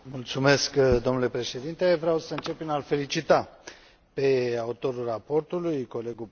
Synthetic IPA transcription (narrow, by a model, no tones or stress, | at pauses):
mult̪sume̞skd̪o̞mnule̞pɾe̞ʃe̞d̪int̪e̞vɾeawsəɨnt͡ʃepːinalfe̞lit͡ʃit̪a | pe̞aut̪o̞ɾulrapo̞rt̪ulujko̞le̞ɡu